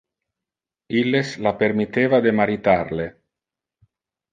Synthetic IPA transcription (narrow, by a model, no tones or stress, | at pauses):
ilːeslapermit̪eːvad̪emaɾit̪arle